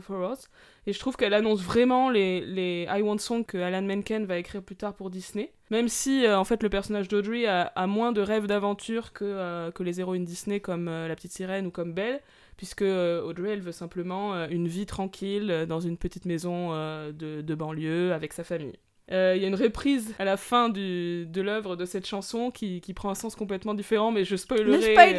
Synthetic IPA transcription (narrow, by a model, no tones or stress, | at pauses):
fɔʁɔz | eʒət̪χuv̥kɛlanɔ̃svʁɛmɑ̃leleajwɔ̃d̪sɔ̃kəalanmɛnkɛnvaekχiʁplyt̪aʁpuʁd̪isne | mɛmsiøɑ̃fɛt̪ləpɛʁsɔnaʒd̪od̪ʁiaamwɛ̃d̪əʁɛvd̪avɑ̃t̪ʰyʁkʰəøkəlezeʁoynd̪isnekɔmølapət̪it̪siʁɛnukɔmbɛl | pɥiskəøod̪ʁiɛlvøsɛ̃pləmɑ̃øynvit̪χɑ̃kʲʰilød̪ɑ̃zynpət̪it̪mezɔ̃ød̪əd̪əbɑ̃ljøavɛksafamḭj | øiljaynʁəpχizalafɛ̃d̪yd̪əlœvʁəd̪əsɛt̪ʃɑ̃sɔ̃kʲikʲipχɑ̃ɛ̃sɑ̃skɔ̃p̬lɛt̪mɑ̃d̪ifeʁɑ̃mɛʒəspɔjlʁe